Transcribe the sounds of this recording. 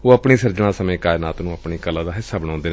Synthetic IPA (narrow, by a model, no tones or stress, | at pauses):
oːəpɳiːsəɾd͡ʒɳ̃ãːsəmẽːkaːjnaːt̪nũːəpɳiːkəlãːd̪aːɦɪsːaːbəɽãːnd̪eː